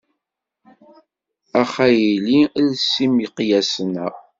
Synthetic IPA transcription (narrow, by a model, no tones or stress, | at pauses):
æχæjililsimiqjæsənæ